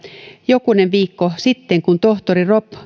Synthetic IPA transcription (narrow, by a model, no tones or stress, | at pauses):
jokuneʋʋiːkːosit̪ːeŋkunt̪oht̪orirop